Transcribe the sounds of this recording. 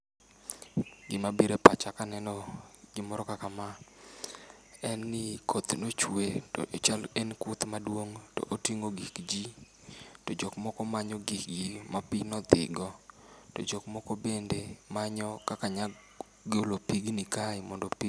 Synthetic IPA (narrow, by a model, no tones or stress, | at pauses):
ɡɪmabiɾepat͡ʃakanɛnɔɡɪmɔɾɔkakama | ɛnːɪkʰot̪not͡ʃweto̰ʔet͡ʃalɛnkʊt̪madwoŋto̰ʔotiŋoɡikd͡ʒi | tɔd͡ʒɔkmɔkɔmaɲɔɡikɡimapinɔt̪ɪ̰ɡɔto̰d͡ʒɔkmɔkɔbendemaɲɔkakaɲa | ɡolopiɡnikaɪmɔndopi